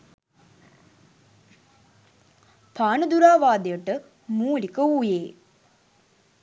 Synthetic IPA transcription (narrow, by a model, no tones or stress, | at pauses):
pʰaːnəd̪uɾaːʋaːd̪ejəʈə | muːlikəuːjeː